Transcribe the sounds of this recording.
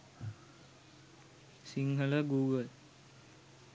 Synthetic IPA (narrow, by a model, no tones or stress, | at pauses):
siŋɡɐɭɐɡuːɡɐl